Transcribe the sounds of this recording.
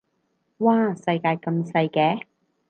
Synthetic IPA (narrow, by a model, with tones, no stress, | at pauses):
waː˥˩sɐ˧jkaː˧jkɐ˧msɐ˧jkɛː˧˥